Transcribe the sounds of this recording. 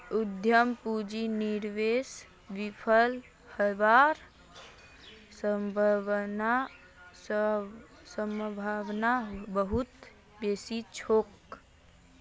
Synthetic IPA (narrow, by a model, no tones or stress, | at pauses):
ud̪ʱjəmpud͡ʒiniɾʋes | ʋipʰəl | həʋaɾ | səmbʱəna | səmbʱaʋnabəɦut̪ | besit͡ʃʰok